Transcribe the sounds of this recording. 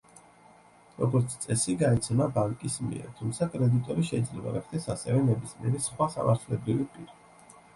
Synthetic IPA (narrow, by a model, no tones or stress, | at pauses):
ɾɔɡɔɾt̪sʰt̪sʼɛsiɡaɛt̪sʰɛmabaŋkʼismḭɛ̰ɾt̪ʰumt̪sʰakʼɾɛd̪it̪ʼɔɾiʃɛid̪zlɛba̰ɾɛχʰd̪ʰɛsasɛvɛnɛbismiɛɾisχwasa̰mʔaɾt̪ʰlɛbɾivipʼiɾi